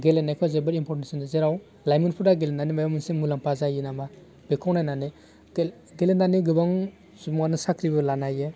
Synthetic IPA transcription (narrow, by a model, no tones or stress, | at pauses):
ɡelenakʰɔzebɯɾimpʰɔɾesindazeɾaw | lajmɯnpʰuɾdaɡelenanimajamɯnsemulaŋpazajinama | b̥ekʰɔwnajnane | ɡelenaniɡɯbaŋ | sumŋanɯsakɾibɯlanaje